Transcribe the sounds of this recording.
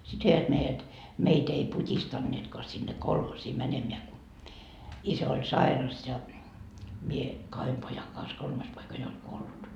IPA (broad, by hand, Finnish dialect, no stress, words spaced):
sit ʋeiʋæt meijæt meit ei putʲistɑnːeːtkoɑ sinːe kolhosiː mænemeæ ku isæ olʲ sɑirɑs jɑ mie kɑhem pojɑŋ kɑns kolmɑs poikɑ jo olʲ kuolːut